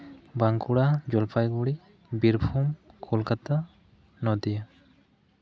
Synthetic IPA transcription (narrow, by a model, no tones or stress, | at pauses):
baŋkuɽad͡ʒɔlpʰajɡuɽi | biɾbʰʱumkʰolkat̪a | nɔd̪ija